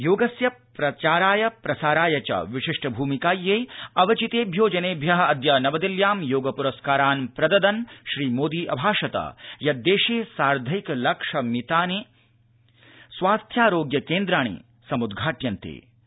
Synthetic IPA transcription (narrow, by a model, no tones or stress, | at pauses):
joːɡɐsjɐpɾɐt͡ʃaːɾaːjɐpɾɐsaːɾaːjɐt͡ʃɐ̰ʋiʂiʂʈʰɐbʱuːmikaːjːeːɐʋɐt͡ʃit̪eːbʱjoːd͡ʒɐneːbʱjɐɦɐɐd̪jɐnɐʋɐd̪ɐljaːmjoːɡɐpuɾɐskaːɾaːnpɾɐd̪ɐd̪ɐnʃɾiːmoːd̪iːʔɐbʱaːʂɐt̪ɐ̰jɐd̪eːʂeːsaːɾd̪ʱɐjiklɐkʂɐmit̪aːne | sʋaːst̪ʰjaːɾoːɡjɐkeːnd̪ɾaːɳ̃ḭː | sɐmud̪ɡʱaːʈjɐnt̪ḛː